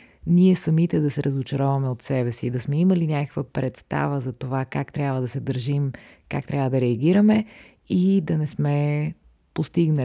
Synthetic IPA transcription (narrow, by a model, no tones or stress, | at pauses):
niɛsɐmit̪ɛd̪ɐsɛɾʔɐzot͡ʃɐɾɔvɐmɛot̪sɛbɛsid̪ɐsmɛiməlinʲakəkvəpɾɛt̪st̪a̰vəzɐt̪ovakakt̪ɾʲjabvəd̪ɐsɛd̪əɾʒim | kak̚t̪ɾʲavəd̪ɐɾɛɐɡ̟iɾəmɛ | id̪ɐnɛsmɛ | post̪iɡnə